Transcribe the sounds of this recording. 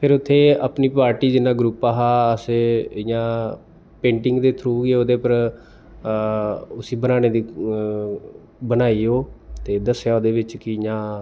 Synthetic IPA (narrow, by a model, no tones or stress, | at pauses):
pʰɪɾʊt̪ʰːeːəpniːpaːɾʈiːd͡ʒɪnãːɡɾupaːɦaːəsɪjãː | pẽːɳʈɪŋɡd̪eːt̪ʰɾuːɡeːoːd̪eːpəɾ | ʊsiːbənaːneːd̪iː | bənaːiːoːt̪eːd̪əsjaːod̪eːʋɪt͡ʃkɪjãː